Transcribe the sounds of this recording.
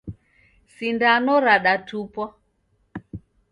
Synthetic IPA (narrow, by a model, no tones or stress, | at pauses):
sindanɔɾaɗatupɔ